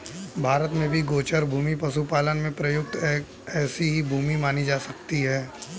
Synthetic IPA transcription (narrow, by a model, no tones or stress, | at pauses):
bʱaːɾət̪mẽbʱiɡoːt͡ʃəɾbʱuːmipɐsupaːlənmẽpɾɐjʊk̚t̪ː | ɛːsiɦibʱuːmimaːnid͡ʒaːsɐk̚t̪iɦɛː